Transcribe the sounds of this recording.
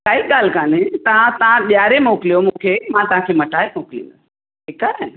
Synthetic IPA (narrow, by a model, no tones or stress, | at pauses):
kaːiːɠaːl̤kaːnẽt̪ɐʋ̤ãt̪ɐʋ̤ãɓjaːɾemoːkɪlijomũːkʰeːmãt̪ɐʋ̤ãkʰeːmɐʈaːemoːkɪlḭ̃ːn̆d̪ɐs | ekaɾen